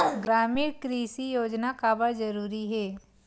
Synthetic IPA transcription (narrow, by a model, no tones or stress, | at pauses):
ɡɾaːmiːɾkɾiːsijoːd͡ʒnakaːbad͡ʒɐɾuːɾiɦɛː